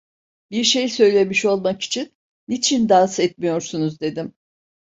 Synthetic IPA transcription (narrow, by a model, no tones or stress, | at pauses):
biɾʃejsø̞jlʲe̞miʃo̞lˠmaki̥t͡ʃʰinː | it͡ʃʰind̪asɛt̪̚mijo̞ɾsunuzd̪e̞d̪im